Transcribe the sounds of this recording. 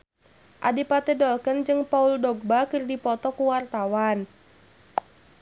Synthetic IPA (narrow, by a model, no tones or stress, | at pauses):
ʔadipat̪ɛdɔlkənd͡ʒɨŋpauldɔɡ̚bakɨrdipɔt̪ɔkuwart̪awan